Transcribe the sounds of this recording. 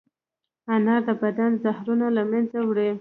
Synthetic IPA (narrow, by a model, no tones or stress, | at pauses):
anɑd̪əbad̪anzahɾunalamanzawɽe